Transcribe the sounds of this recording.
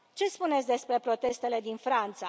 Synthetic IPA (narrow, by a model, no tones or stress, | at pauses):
t͡ʃe̞spunetsʲd̪espɾe̞pɾo̞t̪e̞st̪e̞le̞d̪infɾant̪sa